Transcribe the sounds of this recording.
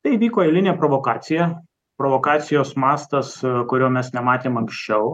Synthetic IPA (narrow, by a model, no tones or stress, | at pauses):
t̪ɐɪʋʲiːkoːelʲɪnʲeːpɾoʋoːkɑːt̪sʲɪjɛ | pɾoʋoːkɑːt̪sʲɪjoːsmɑːst̪ɐskʊɾʲoːmʲɛsnʲɛmɑːt̪ʲeːmɐŋksʲt͡ʃʲɛʊ